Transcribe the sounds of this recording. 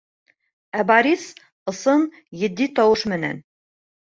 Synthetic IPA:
æbɑɾʲis | ɤ̆sɤn | jɘ̆d̪ːit̪ɒwɤʃmɘ̆næ̰n

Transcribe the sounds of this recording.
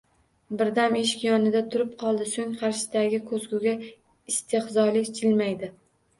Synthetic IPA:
bɪɾd̪ameʃ̬ɪ̥kʲjɒnɪd̪at̪ʰʊɾɪp̚qʰɒlˠd̪ɪsoŋqʰɑɾʃɪ̥d̪aɡʲɪkʰɵzɡʲʊɡʲa | ɪst̪ʰehzɒlɪkʲt͡ʃʰɪlmajd̪ɪ

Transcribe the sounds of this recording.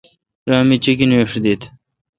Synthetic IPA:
ɾɑːmit͡ɕikineʂd̪it̪

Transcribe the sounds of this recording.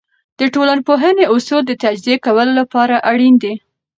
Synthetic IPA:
d̪̥əʈolanpoɦəneosod̪ət̪ad͡ʒziekawəlolapɑɾaʔaɽind̪e

